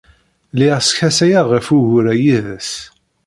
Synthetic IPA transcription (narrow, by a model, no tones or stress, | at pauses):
liʁsçæsæjaʁəfuʝʊɾæjiðəs